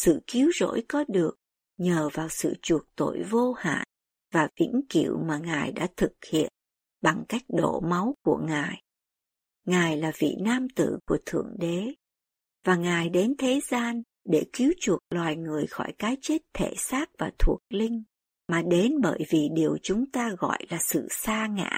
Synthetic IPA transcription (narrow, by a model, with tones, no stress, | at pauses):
sɨ̰˧˨ki˨˦wzo̰˧˥jkɔ˨˦ɗɨ˨˩ək̚ | ɲəː˨˩vaː˨˩wsɨ̰˧˨t͡ɕu˨˩ək̚t̪o̰˧˨jvo˧ha̰ː˧˨n | vaː˨˩vḭ˧˥ŋkḭ˧˩˨əwmaː˨˩ŋaː˨˩jɗa̰ː˧˥t̪ʰɨ˨˩k̚hḭ˧˨ən | ɓa˨˩ŋka˦˥jk̟̚ɗo̰˧˩ma˨˦wku˧˩əŋaː˨˩j | ŋaː˨˩jlaː˨˩vḭ˧˨naː˧mt̪ɨ̰˧˨ku˧˩ət̪ʰɨ̰˧˩əŋɗe˨˦ | vaː˨˩ŋaː˨˩jɗe˨˦nt̪ʰe˨˦zaː˧n | ɗe˧˩ki˨˦əwt͡ɕu˨˩ək̚lwaː˨˩jŋɨ˨˩əjxɔ˧˩jkaː˨˦jt͡ɕe˦˥t̚t̪ʰe˧˩saː˦˥k̚vaː˨˩t̪ʰu˨˩ək̚lï˧ŋ̟ | maː˨˩ɗe˨˦nɓəː˧˩jvi˨˩ɗi˨˩əwt͡ɕʊ˨˦ŋ͡mt̪aː˧ɣɔ̰˧˨jlaː˨˩sɨ̰˧˨saː˧ŋa̰ː˧˨